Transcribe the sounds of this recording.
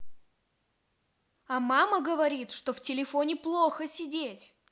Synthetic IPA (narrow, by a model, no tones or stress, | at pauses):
amaməɡəvɐɾʲit̪ʂt̪o̞ftʲɪlʲɪfo̞nʲɪplˠoxəsʲɪdʲetʲ